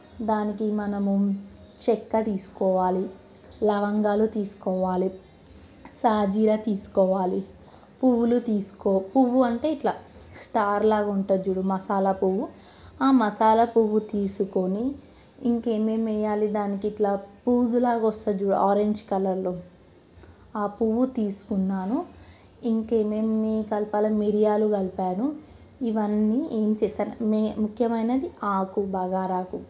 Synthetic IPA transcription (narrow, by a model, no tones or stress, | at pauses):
d̪aːnikimɐnɐmu | t͡ʃɛkːɐt̪iːsu̥kɔːʋaːli | lɐʋɐŋɡaːlut̪iːsu̥kɔːʋaːli | saːd͡ʒiːɾɐt̪iːsu̥kɔːʋaːli | puʋulut̪iːsu̥kɔpuʋuɐɳʈe̞ːiʈlaːsʈaːɾlaːɡuɳʈɐd͡ʒuːɽumɐsaːlɐpuʋu | aːmɐsaːlɐpuʋut̪iːsukoniː | ŋke̞ːmeːmɛjaːlid̪aːnikiiʈlaːpuːd̪ulaːɡɔst̪ɐd͡ʒuːɽuaːɾeɲd͡ʒkɐlɐɾloː | aːpuʋut̪iːsu̥kunːaːnu | iŋkeːmemikɐlpaːlɐmiɾijaːluɡɐlpaːnu | iʋɐnːieːmit͡ʃɛːsaːɾummukʰjɐmɐjnɐd̪iaːkubaːɡaːɾaːku